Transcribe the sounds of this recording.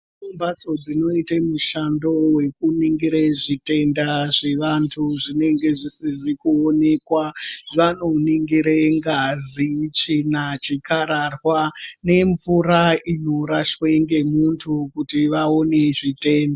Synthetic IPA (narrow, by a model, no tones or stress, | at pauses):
umbat͡so̞d͡zino̞itemuʃandowe̞kuniŋɡiɾeʐite̞ndaʐeʋantʰuʐine̞ŋɡe̞ʐisiʐikuone̞kwaʐanoniŋɡiɾeŋɡazit͡ʃinat͡ʃikaɾarwane̞ɱvuɾainoɾaʃweŋɡe̞muntʰukutiʋao̞ne̞ʐite̞ːnda